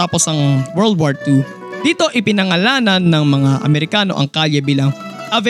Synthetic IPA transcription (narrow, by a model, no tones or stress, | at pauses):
aːposɐŋwɛɹld̪̚waɹt̪u | d̪̥iːt̪o̞ʔɪpɪnɐŋɐlaːnɐnːɐŋmɐŋaʔɐ̰mɛɾɪkaːno̞ʔɐ̰ŋkaːljɐbiːlɐŋʔɐvɛ